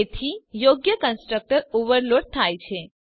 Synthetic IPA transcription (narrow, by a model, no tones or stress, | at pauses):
et̪ʰijoɡjəkənsʈɾək̚ʈəɾoʋəɾloɖ̚t̪ʰajt͡ʃʰe